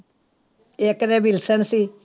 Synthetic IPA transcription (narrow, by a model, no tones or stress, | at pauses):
eːkɾɛːbilsənsiː